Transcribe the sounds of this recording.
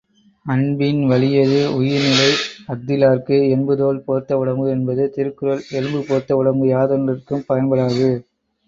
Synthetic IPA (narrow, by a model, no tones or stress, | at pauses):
ɐnbɪnʋɐɭɪjɐðɯʊjɪɾnɪlɐɪɐɡ̚d̪ɪlaːɾkɯɛnbɯðoːlpoːɾt̪ːɐʊɽɐmbɯɛnbɐðɯt̪ɪɾɯkːɯɾɐlɛlɯmbɯpoːɾt̪ːɐʊɽɐmbɯjaːðɐnrɐrkɯmpɐjɐnbɐɽaːɣɯ